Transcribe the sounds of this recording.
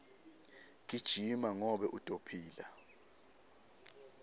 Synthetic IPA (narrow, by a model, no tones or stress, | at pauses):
k̬ʼid̥ʒ̥ʱimaŋɔɓɛʔutʼopʰiːla